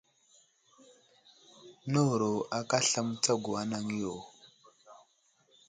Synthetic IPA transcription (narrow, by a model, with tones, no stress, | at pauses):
no˦wɾo˨a˨ka˦ɬa˦m˦t͡sa˦ɡu˨a˦na˦ŋ˦jo˨